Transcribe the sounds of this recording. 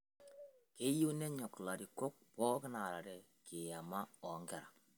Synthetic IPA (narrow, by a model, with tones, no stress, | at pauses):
ke˦ju˦nɛ˦ɲɔ˨kla˨ɾi˨ko˦k̚pɔ˦kɪ˦na˨ɾa˨ɾɛ˨ | kʰe˨ja˨ma˦ɔ˨˦ŋɡɛ˨ɾa˨